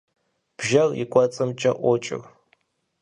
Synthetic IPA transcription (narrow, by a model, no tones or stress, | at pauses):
b̥ʒɐrḭkʷʼɔt͡sʼɨmt͡ʃʼɐʔʷɔt͡ʃʼɪ̰r